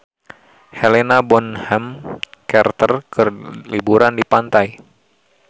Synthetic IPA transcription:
helenabɔnhɛmkɛrt̪ərkərlibuɾandipant̪aj

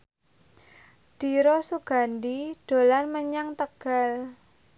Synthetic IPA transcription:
d̪̥i̤ɾɔsuɡ̥a̤ndiɖ̥o̤lanməɲaŋt̪əɡ̥al

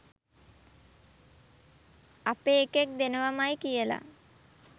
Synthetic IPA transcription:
apeːkek̚d̪enəʋamajkijəla̰

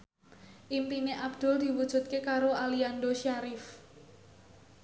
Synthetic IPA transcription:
ʔimp̪ineʔab̚d̪̥ʊld̪̥i̤wud̥ʒ̥ṳt̪̚kekaɾoaliandoʃaɾif

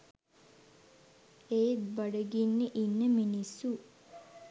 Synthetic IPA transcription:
eːt̪baɖəɡinːeʔinːəminisːu

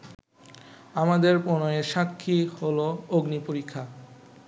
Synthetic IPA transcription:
amad̪eɾponoeʃakʰːiholooɡnipoɾikʰːa

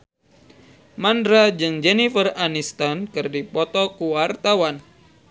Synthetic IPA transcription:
mandɾad͡ʒɨŋd͡ʒɛnifəranist̪ankɨrdipɔt̪ɔkuwart̪awan

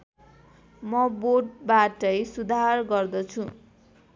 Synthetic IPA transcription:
mʌboʈ̚baʈʌjsud̪ʱarɡʌrd̪ʌt͡sʰũ

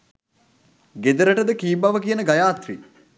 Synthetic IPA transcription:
ɡed̪əɾəʈəd̪əkiːbaʋəkijənəɡajaːt̪ɾḭ

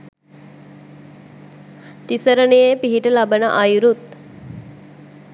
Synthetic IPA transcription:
t̪isəɾənejepiɦiʈəlabənəʔajuɾut̪̚

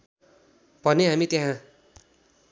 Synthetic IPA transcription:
bʌneɦamit̪jɦã

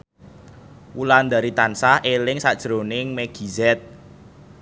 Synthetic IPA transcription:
wuland̪a̤ɾit̪ansaelɪŋsad̥ʒ̥ɾonɪŋmeɡ̥i̤zɛt̪̚

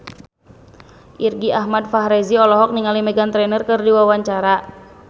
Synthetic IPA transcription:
ʔirɡiʔaɦmadfaɦɾɛziɔlɔɦɔk̚niŋalimɛɡant̪ɾɛnərkɨrdiwawaɲt͡ʃaɾa

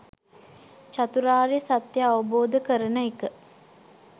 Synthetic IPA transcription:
t͡ʃat̪uɾaːɾejəsat̪jəaʋəboːd̪əkəɾənəekə

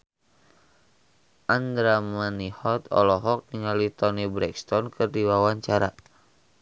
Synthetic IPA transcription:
ʔand̪ɾamanihɔt̪ɔ̰lɔɦɔk̚niŋalit̪ɔnibɾɛkst̪ɔnkɨrdiwawaɲt͡ʃaɾa

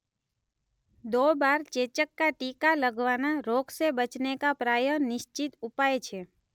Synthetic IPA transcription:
d̪obaɾt͡ʃet͡ʃəkːaʈikaləɡʱʋanaɾoɡsebət͡ʃnekapɾajənɪʃt͡ʃit̪upajt͡ʃʰe

